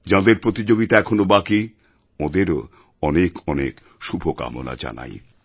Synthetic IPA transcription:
d͡ʑãd̪eɾpɾot̪id͡ʑoɡit̪aɛkʰonobaki | õd̪eɾo | ɔnekɔnḛk | ʃubʱoka̰mo̰la̰d͡ʑa̰na̰j

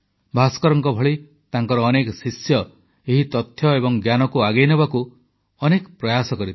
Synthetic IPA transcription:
bʱaskɔɾɔŋkɔbʱɔɭi | t̪aŋkɔɾɔːnekɔsisjɔ | eɦit̪ɔt̪ʰjɔebɔŋɡjanɔkuaɡejnebaku | ɔnekɔpɾɔjasɔkɔɾit̪

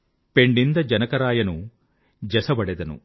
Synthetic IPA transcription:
pe̞ɳɖind̪ɐd͡ʒɐnɐkɐɾaːjɐnu | d͡ʒɛsɐbɐɽed̪ɐnṵ

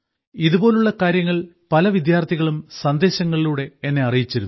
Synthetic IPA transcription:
iðubo̞ːluɭːɐkaːɾjɐŋːɐɭ | pɐlɐʋid̪jaːrt̪ʰiɣɐɭumsɐnd̪e̞ːɕɐŋːɐɭiluːɽe̞enːe̞ɐrijit͡ɕːɐɾunːu

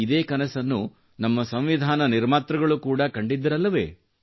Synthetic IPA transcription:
id̪eːkɐnɐsɐnːu | nɐmːɐsɐmʋid̪ʱaːnɐniɾmaːt̪ɾɐɡɐɭukuːɽɐkɐɳɖid̪ːɐɾɐlːɐʋe̞̰ː

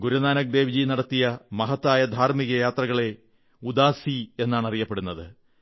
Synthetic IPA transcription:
ɡuɾunaːnɐk̚d̪e̞ːʋid͡ʑinɐɽɐt̪ːijɐmɐɦɐt̪ːaːjɐd̪ʱaːrmiɣɐjaːt̪rɐɣɐɭe̞ | ud̪aːsie̞nːaːɳɐrijɐpːeɽunːɐðɨ

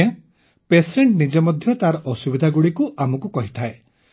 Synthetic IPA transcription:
a | peseɳʈnid͡ʒemɔd̪ʱjɔt̪aɾɔʔɔsubid̪ʱaɡuɽikuʔamɔkukɔɦit̪ʰae

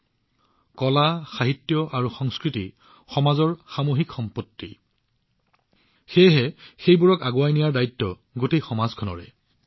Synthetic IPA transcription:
kɔlaxaɦitːjɔʔaɹuxɔŋskɹiti | xɔmazɔɹxamoxikxɔmpotːḭ | xejɦɛxejbuɹɔkaɡuwajnijaɹdaitːɔ | ɡotejxɔmazkʰɔnɔ̰ɹɛ̰

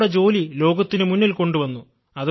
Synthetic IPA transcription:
ɽed͡ʑo̞ːlilo̞ːɡɐt̪ːinɨmunːilko̞ɳɖuʋɐnːu | ɐð

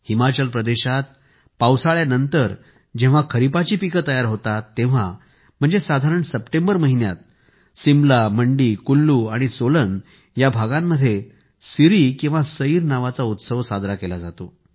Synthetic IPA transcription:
himat͡ɕəlpɾəd̪eɕat̪̚ | pawsaɭjanənt̪əɾ | d͡ʑẽʋakʰəɾipat͡ɕiːpikət̪əjaɾɦot̪at̪ːẽʋ̤a | m̤əɳd͡zesad̪ʱaɾəɳsəpʈẽmbəɾməɦinja̰t̪̚ | simlaməɳɖikulːuaɽ̃isolən | jabʱaɡãmːəd̪ʱːje | siɾikĩw̃ʋasəiːɾnaʋat͡saut̪səʋsad̪ɾakelad͡zat̪o

